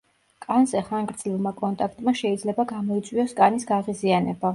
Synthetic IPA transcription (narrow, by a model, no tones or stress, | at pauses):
kʼanzɛχaŋɡɾd̪zlivˠmakʼɔnt̪ʼakʰt̪ʼmaʃɛid̪zlɛbaɡamɔit̪sʼwiɔskʼanisɡaʁizianɛba